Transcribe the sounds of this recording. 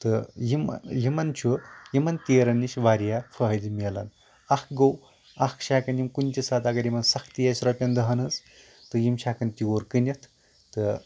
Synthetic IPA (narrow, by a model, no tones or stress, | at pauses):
t̪ɨjim̰jimɐnt͡ʃʰujimɐnt̪eːɾɐniʃʋaːɾjafɐɦɐdimelɐ̰n | ɐkɡɐw | ɐkʰʃaːkɐnjimkunʲt̪ʲisaːt̪aːɡɐɾjimɐnsɐkʰt̪ijasɾɐpʲɐnd̪ɐɦɐnɐt͡s | t̪ɨjimʃaːkɐnt̪ioɾkɨnʲɐt̪ʰ | t̪ɨ